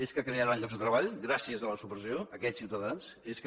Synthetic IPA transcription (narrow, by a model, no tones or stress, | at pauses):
eskəkɾeaɾanʎɔɡzðət̪ɾəβaʎɡɾasiəzələsupɾəzioəkɛsiwt̪əðansesk